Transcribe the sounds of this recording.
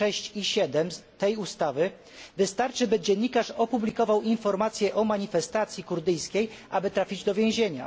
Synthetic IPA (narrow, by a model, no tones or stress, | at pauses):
ɛɕt͡ɕiɕɛd̪ɛmt̪ɛjust̪avɘ | vɘst̪aɾt͡ʂɘbɘd͡ʑɛɲːikaʂɔpublʲikɔvawinfɔɾmat̪sʲjɛʔɔmaɲifɛst̪at̪sʲjikuɾd̪ɘjskʲejʔabɘt̪ɾafʲid͡ʑd̪ɔvʲjẽw̃ʑeɲa̰